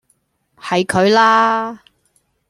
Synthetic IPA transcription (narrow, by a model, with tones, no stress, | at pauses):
hɐ˨jkʰɵ˨˧ɥlaː˥